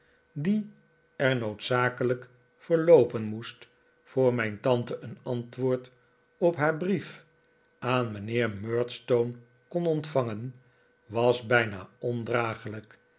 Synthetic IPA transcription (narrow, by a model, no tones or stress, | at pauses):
di | ɛɹnowtsaːkələk | fəɹlowpənmust | fʊːɹmɛjntɑntəʔənɑntʋʊːɹt | ɔpɦaːɹbrif | aːnmənɪːɹmøːɹtstown | kɔnɔntfɑŋən | ʋɑsbɛjna̰ːɔndraːχələk